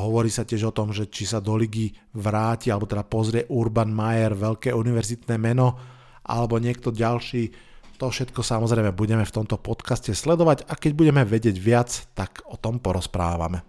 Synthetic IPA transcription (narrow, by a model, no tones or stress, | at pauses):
ɦɔʋɔɾiːsacɪɛʒɔt̪ɔmʒɛt͡ʃisad̪ɔliɡi | ʋɾaːcialɛbɔt̪ɛd̪apɔzɾɪɛʔuɾbanmajɛɾʋɛʎkɛːuniʋɛɾzit̪nɛːmɛnɔ | ʔa̰lɛbɔɲɪɛk̚t̪ɔɟalʃiː | t̪ɔfʃɛt̪kɔsamɔzɾɛɪmɛbuɟɛmɛft̪ɔmt̪ɔpɔt̪kascɛslɛd̪ɔʋaɟakɛɟ̚buɟɛmɛʋɛɟɪɛɟʋɪat͡st̪akɔt̪ɔmpɔɾɔspɾaːʋa̰mɛ